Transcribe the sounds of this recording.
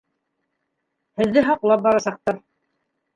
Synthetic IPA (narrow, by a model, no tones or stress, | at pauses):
hɘ̆ðːɘɦɑqlˠɑp̚bɑɾɑsɑq̚t̪ɑɾ